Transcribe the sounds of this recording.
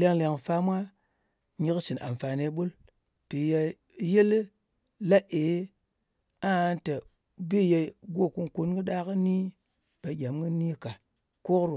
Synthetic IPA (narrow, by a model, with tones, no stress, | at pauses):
le˦ŋle˧ŋfa˦mʷa˦ | ɲi˦ksi˨nʔa̰˨mfa˨ne˨ɓu˦l | pi˨ja˧ | je˦l | la˦ʔe˨˦ | a˦te˨ | bi˦je˧ɡo˦˨ku˦nku˨nɡi˦ɗa˦kɨ˦ni˦ | b̥a˨˦ɡʲa˨mɡi˦ni˦ka˨ | ko˦kɾu˨